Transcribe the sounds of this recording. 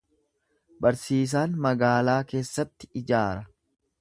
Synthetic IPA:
bɐɾsiːs̬aːnmɐɡaːlaːke̞ːsːɐt̪ːɪ̥ɪd͡ʒaːɾɐ

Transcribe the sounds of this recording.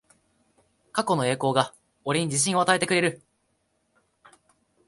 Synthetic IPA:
kako̞no̞e̞ːko̞ːɡa | oɾʲiɲ̟id͡ʑiɕ̬ĩɰ̃o̞at̪ae̞t̪e̞kɯ̟ɾe̞ɾɯ̟

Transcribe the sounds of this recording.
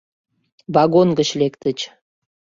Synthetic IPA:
βɑɣonɡət͡ɕlekt̪ət͡ɕ

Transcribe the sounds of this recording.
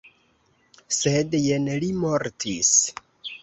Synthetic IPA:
sedjenlimoɾtʰis

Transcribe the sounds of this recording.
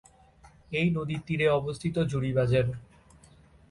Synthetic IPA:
ejnod̪it̪ːiɾeɔbost̪ʰit̪od͡ʑuɽibad͡ʑeɾ

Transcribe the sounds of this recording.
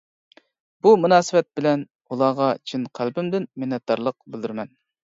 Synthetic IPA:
b̥umunɑːsɨwɛt̪̚bɪlɛn | ulˠɑːʁɑt͡ʃʰinqʰælbɪmd̪ɪnmɪnːɛt̪̚d̪ɑɾlˠəq̚bɪld̪yɾmɛn

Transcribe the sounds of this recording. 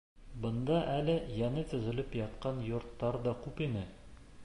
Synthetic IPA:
bɤ̆nd̪ɑʔælɘjænɘt̪ɵ̆zɘ̆lɘpjɑt̪qɑnjŏɾt̪ːɑɾd̪ɒkʉpinɘ

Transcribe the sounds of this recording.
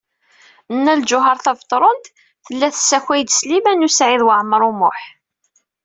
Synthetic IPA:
ənːæld͡ʒʊɦɑɾˤθɑvt̪ˤːɾˤont̪ | θəlːæθəsːæçæjd̪slimænusʕiðwəʕməɾˤumʊħ

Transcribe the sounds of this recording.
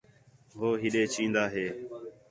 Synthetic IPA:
ɦoːɦɪɗeːt͡ʃʰĩːnd̪aːɦeː

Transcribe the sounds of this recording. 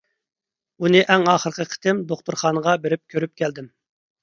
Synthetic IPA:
unɨʔɛŋɑːχəɾqʰəqʰə̥t̪ɪmd̪oχt̪uɾχɑːnəʁɑbeɾɪp̚kʲʰøɾyp̚kʲʰɛld̪ɪm

